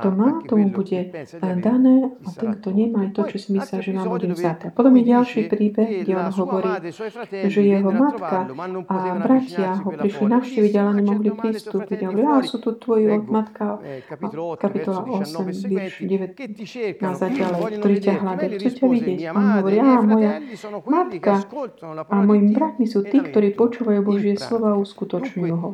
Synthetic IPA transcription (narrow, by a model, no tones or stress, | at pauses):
t̪ɔmaːt̪ɔmubuɟɛd̪anɛːat̪ɛŋɡt̪ɔɲɛmajt̪ɔt͡ʃɔsimislaʒɛnaːmbuɟɛbizat̪ɛapɔt̪ɔmjɛɟalʃiːpɾiːbɛɣɡɟɛɔnɦɔʋɔɾiː | ʒɛjɛɦɔmat̪kaʔabɾacʰɪaɦɔpɾiʃlinaʊʃciʋiɟalaɲɛmɔɦlipɾist̪uːpiɟaɦɔʋɔɾiasut̪ut̪ʋɔjiɔmat̪ka | kapit̪ɔlaʔɔsɛmʋiɾʃɟɛʋɛt̪nazaɟalɛjkt̪ɔɾiːcaɦlad̪axt͡suːcaʋiɟɪɛcaɔnɦɔʋɔɾiːaːmɔjamat̪ka | amɔjimibɾat̪misuːt̪iːkt̪ɔɾiːpɔt͡ʃuːʋajuːbɔʒɪɛslɔʋaːuskut̪ɔt͡ʃɲujuɦɔ